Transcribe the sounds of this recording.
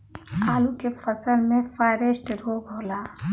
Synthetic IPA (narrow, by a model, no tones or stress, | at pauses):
aːlukefʰəsəlmẽfaɪɾesʈɾoːɡʱoːla